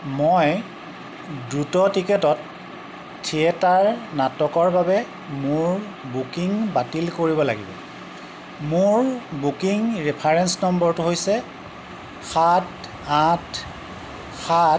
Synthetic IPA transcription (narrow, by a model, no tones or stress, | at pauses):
moj | dɹutɔtikɛtɔt | tʰːiɛtaɹnatɔkɔɹbabɛ | mʊɹ | bukiŋbatilkoɹibɔla̰ɡḭbɔ̰ | mʊɹbukiŋɹɛpʰaɹɛnsnɔmbɔɹtuɦojsɛ | xat | ãt | xa